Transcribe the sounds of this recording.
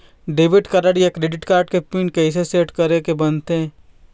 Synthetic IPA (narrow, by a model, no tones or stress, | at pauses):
ɖeːʋɪʈkɐɾəɽijekɾeːɖɪʈkaːɾɖ̚kepiːɳkeɪs̬eseːʈkɐɾekebɐnt̪eɛ̃